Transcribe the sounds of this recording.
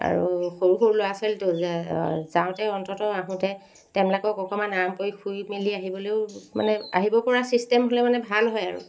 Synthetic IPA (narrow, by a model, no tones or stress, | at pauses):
a̰ɹuxoɹuxoɹuloasɛltʊzɛzãʊ̃tɛɔntʰɔtɔaɦũtɛ | tɛmlɛkɔkɔkʰɔmanaɹamkojkʰujmiliaɦibɔleʊma̰nɛa̰ɦibɔpɔɹasistɛmɦolɛmanɛbʱalɦɔjaɹṵ